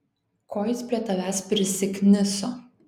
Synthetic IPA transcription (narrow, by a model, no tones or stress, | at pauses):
koːjɪspʲɾʲiɛt̪ɐʋʲæːspʲɾʲɪsʲɪkʲnʲɪso